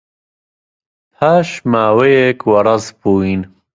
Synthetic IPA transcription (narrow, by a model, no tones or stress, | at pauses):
pʰaːʃmaːwejekwɐɾɐzbuːin